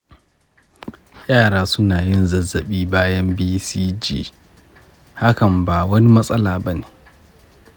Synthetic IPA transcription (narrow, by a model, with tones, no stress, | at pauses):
jʲʼaː˦˨ɽaː˦sʊ˦naː˨jɪ˦˨nzɐ˨zːɐ˨ɓiː˦baː˦jɐ˦mbiː˦siː˦d͡ʒḭː˦ | ha˦kɐ˨mbaː˨wɐ˦ni˦mɐ˦sʼɐ˦laː˨bɐ˦neː˨